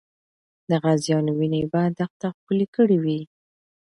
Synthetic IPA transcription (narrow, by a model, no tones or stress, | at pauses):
d̪əɣazjɑnwinebad̪axt̪axpəlekəɽiwi